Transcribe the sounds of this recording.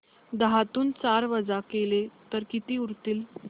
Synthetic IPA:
d̪əɦat̪uːnt͡saɾʋəd͡zakelet̪əɾkit̪iːuɾt̪iːl

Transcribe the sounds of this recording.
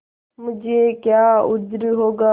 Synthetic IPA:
mʊ̃d͡ʒʱeːkjaːʊd͡ʒɾɦoːɡaː

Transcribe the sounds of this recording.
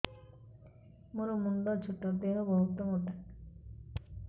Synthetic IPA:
moɾomuɳɖɔt͡ʃʰuʈːɔɾd̪eɦɔbɔɦut̪ːɔmoɖa

